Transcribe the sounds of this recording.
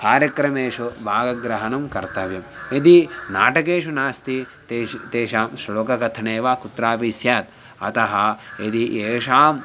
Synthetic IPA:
kaːɾjɐkɾɐmeːʂubʱaːɡɐɡɾɐɦɐnɐmkɐɾt̪ɐʋjɐmed̪inaːʈɐkeːʂunaːst̪i | t̪et̪eːʃaːmʃɾɐloːkɐkɐt̪ʰɐneːʋaːkut̪ɾaːpisjaːt̪̚ | ɐ̰t̪ɐɦɐed̪iʔeːʂaːm

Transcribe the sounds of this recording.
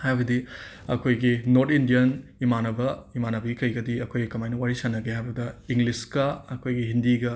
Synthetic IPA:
hajbɐdi | ɐ̰kʰojɡinoɾtʰindijɐnimanɐbɐimanɐbɐɡikɐjɡɐdiɐkʰojɡikɐmajnɐwaɾisɐnːɐɡeɦajbɐdɐiŋliskɐɐkʰojɡiɦindiɡɐ

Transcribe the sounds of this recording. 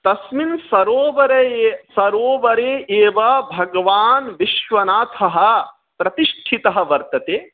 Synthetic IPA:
t̪ɐsminsɐɾoːʋɐɾɐsɐɾoːʋɐɾeːʔeːʋɐbʱɐɡɐʋaːnʋiʃʋɐnaːt̪ʰɐɦɐ̆ | pɾɐt̪iʃʈʰit̪ɐɦɐʋɐɾt̪ɐt̪eː

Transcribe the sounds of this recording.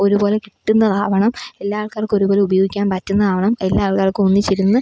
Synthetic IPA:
o̞ɾubo̞ːle̞kiʈːunːɐt̪ʰaːʋɐɳɐme̞lːaːɐɭkaːrko̞ɾubo̞ːleubɐjoːɡikʲːaːnpɐtːunːɐt̪ʰaːʋɐɳɐme̞lːaːɭkaːrkɨonːit͡ɕːiɾunːɨ

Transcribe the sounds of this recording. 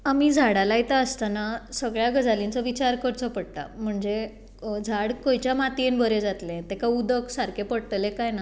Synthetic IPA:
amiːd͡zʱaɽalait̪aəst̪anasəɡɭjaɡəd͡zʱalint͡səʋit͡ɕaɾkəɾt͡sɔpəɽt̪a̰m̤əɳd͡ze | d͡zʱaɽkojt͡ɕjamat̪ienbəɾed͡zat̪lẽt̪ekaud̪əksaɾkʰepəɽt̪əlekajna

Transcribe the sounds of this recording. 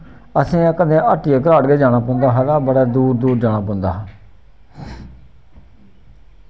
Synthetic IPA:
əsĩːãːkəd̪ẽːʔəʈːijaːkɾaːɽɡeːd͡ʒaːɽ̃aːpɔ̃ːnd̪aːɦaːd̪ãːbəɽaːd̪uːɾd̪uːɾd͡ʒaːɽ̃ãːpɔ̃ːnd̪aːɦaː

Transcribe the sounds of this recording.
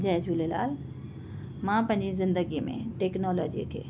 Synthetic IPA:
d͡ʒajd͡ʑuːlela̰ːl | mãːpɐ̃ɦɪ̃ɲd͡ʑizɪ̃nd̪əɡimḛ̃ʈeːknɔːlɔ̰ːd͡ʒḭk̪ʰḛː

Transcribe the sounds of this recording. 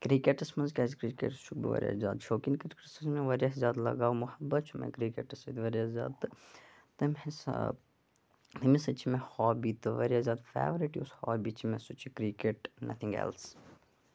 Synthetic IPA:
kɾikeʈɨsmɐnzkʲaːzikɾiːkḛʈt͡ʃʰubḭʋɐ̰ɾʲjɐ̰zʲa̰ːd̪ʃoːkinkɾikɾisɐsmẽʋɐɾjɐszʲaːd̪lɐ̰ɡaːʋmuhɐbːɐt̪t͡ʃʰumḛ̃kɾikeʈɨsɐt̪ʋɐɾijɐzʲa̰ːd̪t̪ɨ | t̪ɐmhesɐ̰ | t̪ɐmisɐt͡ʃʰimẽhɔːbiːt̪ɨʋɐɾijazjaːd̪fḛːʋɾiʈioshɔːbit͡ʃʰimẽsut͡ʃʰikɾikeʈnʔɐ̰t̪ʰĩŋɡɛ̰ls

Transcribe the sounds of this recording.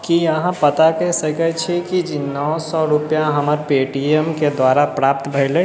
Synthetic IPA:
kijəɦãpət̪akɛsəkɛt͡ʃʰikid͡ʒinɔːsɔɾʊpjãɦəməɾpeʈiemked̪waːɾapɾaːp̚t̪bʱəɪle

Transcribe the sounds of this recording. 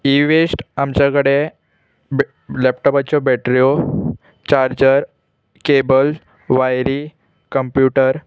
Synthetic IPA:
iʋesʈamt͡ɕakəɽe | lɛpʈɔpat͡ɕɔbɛʈɾijo | t͡ɕaɾd͡ʑəɾ | kebəl | ʋajɾi | kəmpjuʈəɾ

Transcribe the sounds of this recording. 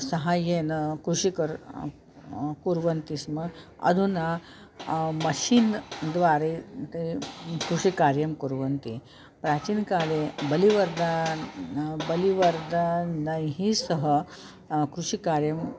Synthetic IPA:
sɐɦajenkɾuʂikəɾ | kuɾʋənt̪ismə | ɐ̰d̪ʱuna | mɐɕiːnd̪ʋaɾet̪ɐikɾuʂikaɾjɐmkuɾʋənt̪i | pɾat͡ɕiːnkalebɐliʋɐɾd̪a | bəliʋɐɾd̪anəjɦisəɦə | kɾuʂikaɾjɐm

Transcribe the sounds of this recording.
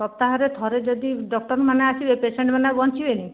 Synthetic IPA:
ɔp̚t̪aɦɔɾet̪ʰɔɾed͡ʒɔd̪iɖɔkʈɔɾmanaat͡ʃʰibepeseɳʈmanabɔnt͡ʃʰibeni

